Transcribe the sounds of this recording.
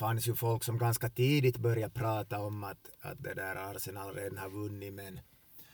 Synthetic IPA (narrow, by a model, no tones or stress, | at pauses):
fansjɵfɔlksɔmɡanskat̪ʰiːd̪ɪt̪bœɾjapʰɾɑːt̪aɔmːat̪a̰t̪̚d̪ɛd̪æːɾaɾsɛnɑːlɾeːd̪ənhɑɾvɵnːɪmɛn